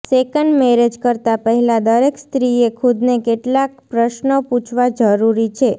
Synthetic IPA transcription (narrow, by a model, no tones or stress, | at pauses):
sekəɳɖmeɾed͡ʒkəɾt̪apəɦɛlad̪əɾekst̪ɾiekʰud̪nekeʈlak̚pɾəʃnoput͡ʃʰʋad͡ʒəɾuɾit͡ʃʰe